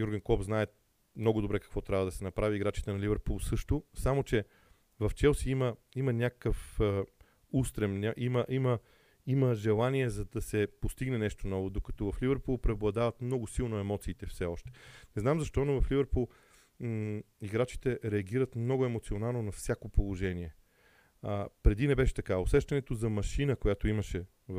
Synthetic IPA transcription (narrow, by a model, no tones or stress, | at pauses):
ɡjuɾɡənkɔbznaɛt | mnɔɡʊd̪obɾɛkɐ̥kvɔt̪ɾʲavəd̪ɐsɛnɐpɾaviːɡɾat͡ʃi̥t̪ɛnɐlivɛɾpulˠsɤʃt̪ʊsamot͡ʃɛ | vɐft͡ʃɛlˠsiiməimɐnʲakə̥kəf | ust̪ɾɛmnʲaʔiməʔimə | iməʒɛlˠaniɛzɐd̪ɐsɛpost̪iɡnɛnɛʃt̪onɔvod̪okɐ̥t̪ɔvɐflʲivəɾpulˠpɾɛoblˠɐd̪avɐt̪mnɔɡʊsilˠnoɛmɔt̪siːt̪ɛfsɛɔʃt̪ɛ̥nɛznamzɐʃt̪ɔnovɐflivəɾpulˠ | iɡɾat͡ʃi̥t̪ɛɾɛɐɡiɾət̪mnɔɡʊɛmot̪sionalˠnonɐfsʲjakopolˠoʒɛniɛ | əpɾɛd̪inɛbɛʃɛ̥t̪ɐkaosɛʃt̪ɐnɛt̪ozɐmɐʃinəkojat̪oimɐʃɛ | v